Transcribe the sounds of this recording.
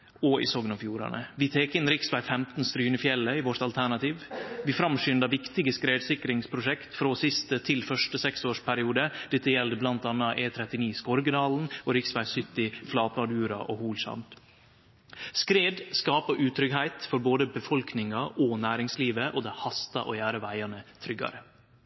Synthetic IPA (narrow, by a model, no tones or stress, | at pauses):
ɔɪ̰soːɡənɑfjuːɾɑ̰nə̰ʋɪt̪ʰeːkɪnɾɪksʋæɪfɛmt̪n̩st̪ɾyːnəfjɛlːəɪʋɔʈ̪ɑlt̪ʰæɳɑt̪ʰiːʋʋɪfɾɑmʃʏnd̪ɑʋɪkt̪ɪɡəskɾeːd̪sɪkɾɪŋspʰɾʊʂɛkt̪fɾoːsɪst̪ət̪ʰɪlfœʂʈəsɛksoːʂpʰæɾɪuːd̪əd̪̥ɛt̪ːəjɛld̪əblɑnt̪ɑnɑʔeːt̪ʰɾɛt̪ɪniːskɔɾɡəd̪ɑːln̩ɔɾɪksʋæɪsʏt̪ːɪflɑːt̪mɑd̪ʉːɾɑ̰ʔoːhuːlʃɑ̰nt̪ | skɾeːd̪skɑːpəʔʉːt̪ʰɾʏɡhæɪt̪fɔɾboːd̪əbəfɔlknɪŋɑʔɔnæːɾɪŋsliːʋəʔod̪ɛhɑst̪ɑʔo̰ːjæːɾəʋæɪɑnət̪ʰɾʏɡɑ̰ɾə